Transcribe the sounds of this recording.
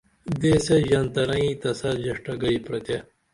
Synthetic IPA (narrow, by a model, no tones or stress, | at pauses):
d̪eseʑɐnt̪ɐnɐĩt̪ɐsɐd͡ʑɐʂʈɐɡɐipɾɐt̪e